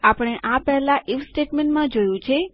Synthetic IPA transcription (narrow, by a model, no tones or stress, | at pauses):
apəɽ̃eʔapɛɦɛlaʔifsʈeʈmẽɳʈmãd͡ʒojũt͡ʃʰe